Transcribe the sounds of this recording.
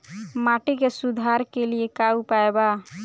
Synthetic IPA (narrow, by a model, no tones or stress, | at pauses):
maʈekesud̪ʱaɾkeliekaupaeba